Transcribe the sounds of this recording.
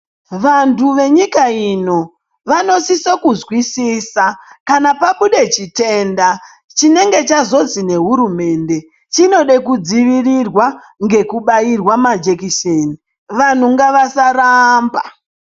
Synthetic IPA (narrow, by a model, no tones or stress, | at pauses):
ʋantuʋe̞ɲikaino̞ | ʋano̞sisokuzwisisakanapakuɗe̞t͡ʃite̞nda | t͡ʃine̞ŋɡe̞t͡ʃazo̞zine̞ɦuɾume̞ːnde̞ | t͡ʃino̞ɗe̞kud͡ziʋirirwa | ŋɡe̞kuɓairwamad͡ʒekiʃeːni | ʋan̤uŋɡaʋasaramba